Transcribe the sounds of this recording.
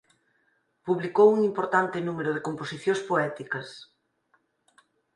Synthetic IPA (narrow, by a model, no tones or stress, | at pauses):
puβlikowuŋimpoɾt̪ant̪ɪnumeɾʊð̞ekomposiθjõspoɛt̪ikɐs